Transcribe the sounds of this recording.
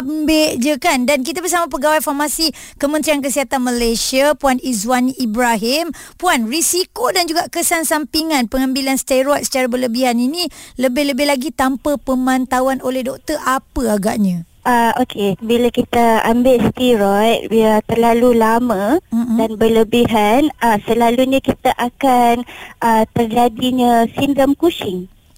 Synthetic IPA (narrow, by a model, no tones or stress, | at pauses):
ambeʔd͡ʒəkandank̬it̪abərs̬amap̬əɡawajfarmasikəmənt̪ɾiankəsiɦat̪anməlesiapuanizwaniʔːbɾaɦimpuanrisikodand͡ʒuɡaʔkəsansampiŋãnpəŋãmbilansə̥t̪aɾɔjʔsə̥t͡ʃaɾabərləbiɦaniniləbɪhləbɪɦlaɡit̪ampəpəmãnt̪awanolɛhdɔk̚t̪ərʔapəaɡa̰ʔɲã | ʔaokʰebilakit̪aambɪlst̪iɾɔj̪̚biat̪ərlalulamãdanbələbiɦanasəlaluɲãkit̪aʔakanʔət̪ərd͡ʒadiɲãsindəmkut͡ʃɪŋ